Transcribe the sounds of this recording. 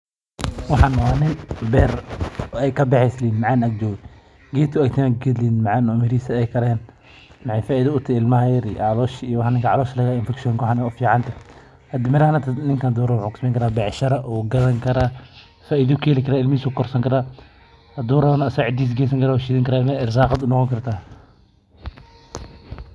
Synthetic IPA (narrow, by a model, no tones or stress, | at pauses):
wɑħɑnːɐwaːnɪnbɛːɾɔɛjkʰɐbɛħɛslinmɐʕaːnɐk̚d͡ʒɔːɣɛ | ɡɛːt̪ʰʊakt̪ʰɛmaɡɛd̪liːnmɐʕanɔmɪɾiːsɐɛjkʰɐɾɛːn | mɐħɛjfaːɪðɪʊt̪ʰɪɪlmɐhɐjɐɾiʕɑlɔːʃijɔwɑħanɪŋkʰɐʕɑlɔːʃlɐɣaɪnfɛkʃɔŋkɔħanɛʊfiːʕɑnt̪ʰɐ | ɐd̪ɪmɪɾɐhɐnɐt̪nɪŋkʰand̪uːɾɐwʊħuːkɪ̥smɛŋkɐɾaːbɛʕʃɐɾɐʔɔːɡɐðɐŋkʰɐɾaː | faːɪðɪʊkʰɛːlɪkʰɐɾaːɪlmiːsʊkʰɔrsɐŋkʰɐɾaː | d̪uːɾɐnːsɐʕɪd̪iːs̬ɡɛːs̬ɐŋkɐɾaːwʃiːðɪŋkʰɐɾaːɪlmɐɪɾsaːqɑd̪ʊnɔqɔŋkʰɐrt̪ʰaː